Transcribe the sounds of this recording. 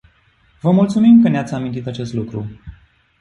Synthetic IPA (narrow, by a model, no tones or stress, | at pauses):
vəmult̪sumimkəneat̪sʲamint̪it̪at͡ʃe̞st̪lukɾu